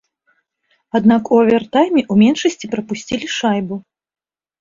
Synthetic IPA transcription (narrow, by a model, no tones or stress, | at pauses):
ad̪nakuɐvʲɛrt̪ajmʲɛʔumʲɛnʂɐsʲt͡sʲipɾɐpusʲt͡sʲilʲiʂajbu